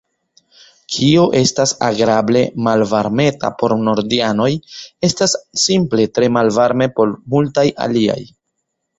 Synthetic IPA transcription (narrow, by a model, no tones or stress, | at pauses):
kʰioʔe̞stasaɡɾable̞malvaɾme̞ta̰po̞ɾno̞ɾdiano̞je̞stasːimple̞tɾe̞malvaɾme̞po̞ɾmultaja̰lia̰j